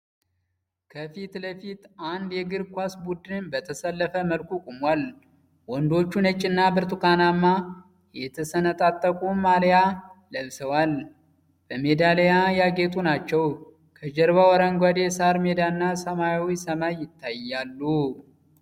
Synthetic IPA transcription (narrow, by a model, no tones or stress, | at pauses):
kʰəfit̪ləfit̪and̪jɛɡɨɾkʷasbud̪ɨnbət̪ʰəsəlːəfəməlkukʼumwal | wɔnd̪o̞t͡ʃːunət͡ʃʼːɪnːabɨɾt̪ʰʼukʰanamːa | jɛt̪ʰəsənət̪ʼat̪ʼːəkʼumaljaləβsəwal | b̥əmed̪alejajaɡe̞t̪ʼunat͡ʃːɛw | kʰəd͡ʒɛɾβawɔɾəŋɡʷad̪esaɾme̞d̪anːasəmajawisəmajːɪt̪ʰːajːalːu